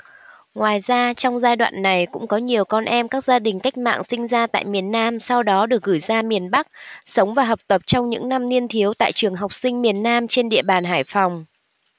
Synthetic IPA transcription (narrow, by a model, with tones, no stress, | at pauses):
ŋwaː˨˩jzaː˧t͡ɕɔ˧wŋ͡mzaː˧jɗwa̰ː˧˨nːa˨˩jkʊ̰˧˥ŋ͡mkɔ˨˦ɲi˨˩əwkɔ˧nʔɛ˧mkaː˦˥k̚zaː˧ɗï˨˩ŋ̟ka˦˥k̟̚ma̰ː˧˨ŋsï˧ŋ̟zaː˧t̪a̰ː˧˨jmi˨˩ənːaː˧msa˧wɗɔ˨˦ɗɨ˨˩ək̚ɣɨ˧˩jzaː˧mi˨˩ənɓa˦˥k̚sə˨˦wŋ͡mvaː˨˩ɦəː˨˩p̚t̪ə˨˩p̚t͡ɕɔ˧wŋ͡mɲɨ̰˧˥ŋna˧mni˧ənt̪ʰi˨˦əwt̪a̰ː˧˨jt͡ɕɨ˨˩əŋɦa˨˩wk͡p̚sï˧ŋ̟mi˨˩ənːaː˧mt͡ɕe˧nɗḭ˧˨əɓaː˨˩nɦaː˧˩jfɔ˨˩wŋ͡m